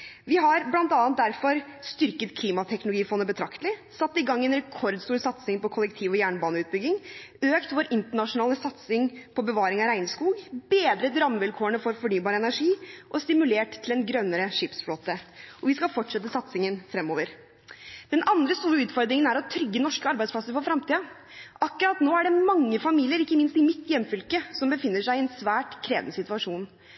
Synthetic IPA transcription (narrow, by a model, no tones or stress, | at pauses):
ʋɪɦɑɾblɑnt̪ɑːn̚d̪æɾfɔɾst̪ʏɾkət̪kʰliːmɑt̪ʰɛknlʊɡiːfɔnːəbət̪ʰɾɑkt̪əlɪsɑt̪ːɪɡɑŋːɛnɾɛkʰɔɾd̪st̪uːɾsɑt̪sɪŋpɔkʰɔlɛkt̪ʰiːʋɔjæːɳbɑːnəʉːt̪̚bʏɡɪŋøːkt̪ʋoːɾɪnt̪əɳɑʂʊnɑːləsɑt̪sɪŋpʰɔbəʋɑːɾɪŋɑɾæɪnskuːɡbeːd̪ɾət̪ɾɑməʋɪlkʰoːəɳəfɔɾfɔɳyːbɑːɾəɛnæɾʂiːʔɔst̪ɪmʉleːʈt̪ʰːɪlɛnɡɾœnːəɾəʂɪpsfloːt̪əɔʋɪskɑfɔʈʂɛt̪ːəsɑt̪sɪŋənfɾɛmːoːʋəɾ | d̪̥ɛnɑnd̪ɾəst̪uːɾəʉːt̪fɔɾd̪ɾɪŋənæɾɔt̪ʰɾʏɡːənɔʂkəɑɾbæɪspʰlɑsəɾfɔɾfɾɑmt̪iːɑ | ʔɑkːʉɾɑt̪noːæɖɛmɑŋːəfɑmiːlɪəɾɪkːəmɪnst̪ɪmɪt̪ːjɛmːfʏlkəsɔmbəfɪnːəʂæɪɪɛnsʋæːʈkʰɾeːʋnəsɪt̪ʉɑʂuːn